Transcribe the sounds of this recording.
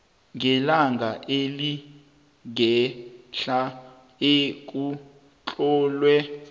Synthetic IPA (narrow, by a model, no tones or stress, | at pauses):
ŋɡʱɛlaŋɡʱaʔeli | ɡɛɬa | ek̬ʼu | t͡ɬʼɔːlwɛ